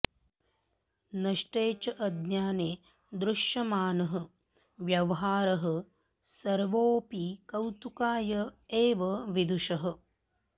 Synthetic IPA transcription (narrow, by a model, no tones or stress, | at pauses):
nɐʂʈeːt͡ʃɐʔɐd̪njaːneː | d̪ɾuʂjɐmaːnɐɦɐ | ʋjɐʋɐɦaːɾɐɦɐ̆ | sɐɾʋoːpikɐwt̪ukaːjɐeːʋɐʋid̪uʃɐɦɐ̆